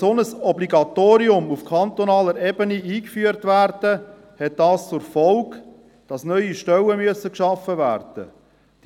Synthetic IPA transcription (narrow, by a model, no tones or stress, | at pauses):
sɔnəsɔbliɡɑt̪oːɾiʊmufkʰɑnt̪ɔnɑːləɾɛbəniiːkfyːəɾtʋærd̥ə | hɛt̚d̥ɑːst͡sʊɾfɔlk | d̥ɑsnœʏiʃtɛwəmyəsəkʃɑfəvæːrd̥ə̰̥